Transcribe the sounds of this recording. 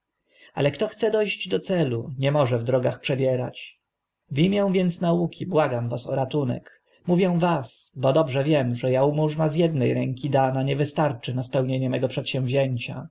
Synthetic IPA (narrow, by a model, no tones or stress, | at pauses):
a̰lɛkt̪ɔxt̪sɛd̪ɔjʑd͡ʑd̪ɔt̪sɛluɲɛmɔʐɛvd̪ɾɔɡaxpʂɛbʲjɛɾa̰t͡ɕ | vʲimʲjɛ̃w̃vʲjɛnt̪snaukʲibwaɡamvasɔɾat̪unɛ̰k | muvʲjɛw̃vasbɔd̪ɔbʐɛvʲjɛmʐɛjaumuʐnazjɛd̪nɛjɾɛŋkʲid̪anaɲɛvɘst̪aɾt͡ʂɘnaspɛwɲeɲɛmɛɡɔpʂɛt̪ɕɛ̃w̃vʑeɲt͡ɕa̰